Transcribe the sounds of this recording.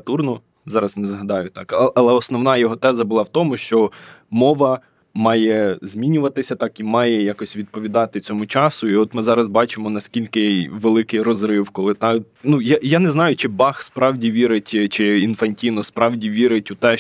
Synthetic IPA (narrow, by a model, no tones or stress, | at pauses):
t̪urnɔ | zɑɾɐznɛzɦɐd̪ɑjʊt̪ɑkɐlˠɛɔsnɔʋnɑjɔɦɔt̪ɛzɐbʊlˠɑwt̪ɔmʊʃt͡ʃɔmɔʋɐ | mɑjɛzʲmʲinʲʊʋɐt̪ɪsʲɐt̪ɑkimɑjɛjakɔsʲʋʲid̪̚pɔʋʲid̪ɑt̪ɪt͡sʲɔmʊt͡ʃɑsʊiɔt̪mɪzɑɾɐzbɑt͡ʃɪmɔnɐsʲkʲilʲkɪʋelˠɪkɪjrɔzɾɪwkɔlˠɪt̪ɑ | nujajanɛznɑjʊt͡ʃɪbɑxspɾɑwdʲiʋʲiɾɪtʲt͡ʃɪinfɐnʲtʲijnɔspɾɑwdʲiʋʲiɾɪtʲʊt̪ɛ